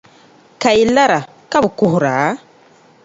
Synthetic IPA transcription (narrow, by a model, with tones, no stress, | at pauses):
ka˨ji˨la˦ɾa˨ | ka˦bʊ˨kʊ˨ɦʊ˨ɾa˨˦